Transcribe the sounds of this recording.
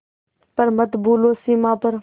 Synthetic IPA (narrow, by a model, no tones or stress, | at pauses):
pəɾmət̪buːloːsiːmãːpəɾ